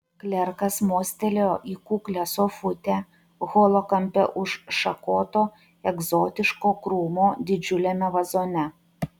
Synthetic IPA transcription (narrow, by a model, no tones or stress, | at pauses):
klʲɛɾkɐsmoːsʲt̪ʲɛlʲoːʔiːkuːklʲɛsoːfʊt̪ʲæ | ɣoːlˠokɐmʲpʲɛʔʊʃʃɐkoːt̪oː | ɛɡzoːt̪ʲɪʃkoːkɾuːmoːd̪ʲɪd͡ʒʲʊlʲɛmʲɛʋɐzoːnʲɛ